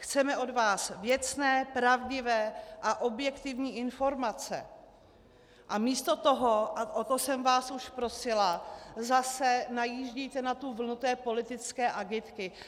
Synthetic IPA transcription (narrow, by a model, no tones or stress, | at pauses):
xt͡sɛmɛʔo̞dvaːsvjɛt͡snɛːpɾavɟɪvɛːʔaʔo̞bjɛkt̪ɪvɲiːʔɪnfo̞ɾmat͡sɛ̰ | ʔamiːst̪o̞t̪oɦoʔaʔot̪osɛmvaːsuʃpɾo̞sɪlazasɛnajiːʒɟijt̪ɛnat̪uvl̩nut̪ɛːpo̞lɪt̪ɪt͡skɛːʔaɡɪt̪kɪ